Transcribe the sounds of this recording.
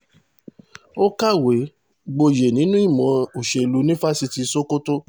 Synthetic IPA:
o˦ka˦˨we˨˦ | ɡ͡bo˧je˨nĩ˨˦nũ˦i˦˨mɔ̃˨˦o˨ʃe˧˨lu˨˧˦nĩ˦fa˦si˧ti˧so˦ko˦to˦

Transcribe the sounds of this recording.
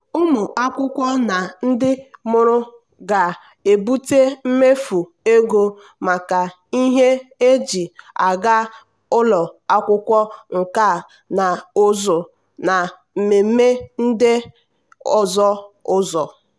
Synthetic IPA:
ʊ˦mʊ˨a˦kʷʊ˦kʷɔ˦na˨n̩˦dɪ˦mʊ˦ɾʊ˦ | ɡa˨ | e˨bu˦te˦m̩˦me˦fu˨ | e˦ɡo˦ | ma˨ka˨ | i˦ɦe˦e˦d͡ʒi˨a˨ɡa˦ | ʊ˦lɔ˨a˦kʷʊ˦kʷɔ˦ŋ̩˨ka˦˨ | na˨ʊ˦zʊ˨ | na˨ | m̩˨me˨m̩˦me˦n̩˦dɪ˦ | ɔ˨zɔ˦ʊ˦zɔ˨

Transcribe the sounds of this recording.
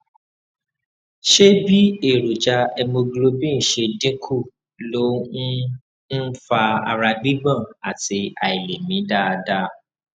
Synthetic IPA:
ʃe˦bi˦e˦˨ɾu˨d͡ʒa˧ɛ˧mo˧ɡlo˧bĩ˦n̩˨ʃe˧dĩ˦kʰu˦˨ | lo˦ | n̩˦fa˧a̰˧ɾa˧ɡ͡bi˦ɡ͡bã˦˨a̰˨ti˧˦a˨i˨le˨mĩ˨˦da˦˧da˧˦

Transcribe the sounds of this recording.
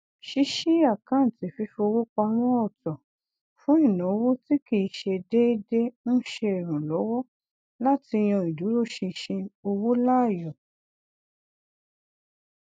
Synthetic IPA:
ʃi˧˦ʃi˦a˦˨kã˨˦n̩˨ti˨fi˧˦fo˧o˧wo˦k͡pɔ˧a˧mɔ̃˦ɔ˦˨tɔ˨ | fũ˨˦ĩ˦˨nɔ̃˨˦o˦˧wo˦ti˦ki˨˧˦ʃe˧de˦de˦ñ̩˦ʃe˧e˨ɾ̃ũ˨lɔ˨˦wɔ˦ | la˦ti˧j̃ɔ̃˧i˨du˨˦ɾo˦˨ʃĩ˧ʃĩ˧o˧wo˦la˦˨jɔ˨

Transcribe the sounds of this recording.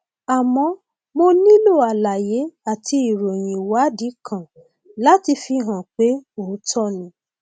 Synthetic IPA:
a˨mɔ̃˧ | mo˧nĩ˦lo˦˨a˨la˨je˨˦a˨tʰi˧i˨ɾo˨j̃ĩ˨wa˨˦di˨˦kʰã˨ | la˦ti˧fi˧ɦã˨k͡pe˨˦o˨˦tʰɔ˦nĩ˨˦

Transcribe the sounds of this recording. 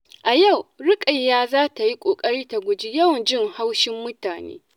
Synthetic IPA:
ʔa˨ja˦˨wɽɪ˦kʼa˨jːaː˦zaː˦ta˨ji˦kʷʼoː˨kʼɐ˦ɽiː˦ta˨ɡʷʊ˨d͡ʒi˦jɐ˦wɐ˨nd͡ʒɪ˦ŋha˦wʃɪ˦mːʊ˦taː˨nḛː˦

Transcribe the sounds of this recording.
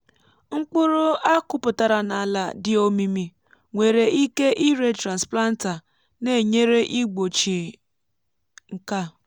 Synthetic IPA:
ŋ͡m̩˦k͡pʊ˦ɾʊ˦a˦kʊ˦pʊ˨ta˨ɾa˨na˨la˨dɪ˦o˦mi˦mi˦ | ŋʷe˨ɾe˨ʔi˦ke˦ʔi˦ɾe˦tɾa˨nspla˦n̩˦ta˨ | ne˨ɲe˦ɾe˦ʔi˦ɡ͡bo˨t͡ʃi˨ | ŋ̩˨ka˦

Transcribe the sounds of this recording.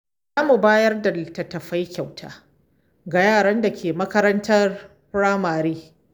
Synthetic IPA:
zaː˦mu˨baː˦jɐ˦rda˨tɐ˨tɐ˨ɸa˦jkʲa˨wtʰa̰ː˦ | ɡa˨jaː˦˨ɽɐ˦nda˨kʲʰeː˨mɐ˦kɐ˦ɾɐ˦ntʰɐ˦r | pɽaː˦maː˨ɾeː˦

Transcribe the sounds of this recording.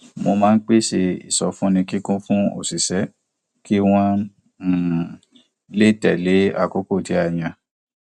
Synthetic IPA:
mo˧mãː˦˧n̩˦k͡pe˦ʃe˧ḭ˨sɔ˧fũ˦nĩ˧ki˦kũ˦fũ˦o̰˦˨si˨sɛ˨˦ | ki˦w̃ã˦˨ | le˦˨tɛ˨le˨˦a̰˦˨ko˨˦ko˦˨ti˨˦a˦˨j̃ã˧

